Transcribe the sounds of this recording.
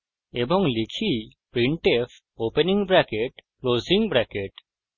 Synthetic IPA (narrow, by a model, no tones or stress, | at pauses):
ebɔŋlikʰipɾiɳʈef | openiŋbɾakeʈkloziŋbɾakeʈ